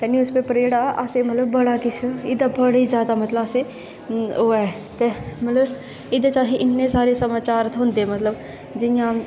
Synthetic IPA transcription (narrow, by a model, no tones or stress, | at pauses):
t̪eniʊspepəɾeːɽaʔa̰semɐt̪ləbːəɽakɪt͡ʃʰəɪd̪abəɽizjaːd̪amɐt̪ləbase | oːɛ | t̪emɐt̪ləb | ɪd̪at͡ʃaːɦeʔɪnːesaːɾesɐmaːt͡ʃaːɾt̪ʰɦõːnd̪eɛmɐt̪ləb | d͡ʒɪjã